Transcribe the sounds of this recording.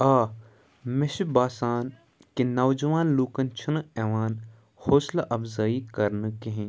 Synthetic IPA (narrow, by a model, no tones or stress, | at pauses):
aː | mɪʃbaːsaːn | kenɐwd͡ʒɐʋaːnluːkɐnt͡ʃʰənɛːʋaːn | hoːslɐʔɐbzaːikɐɾnkeɦẽ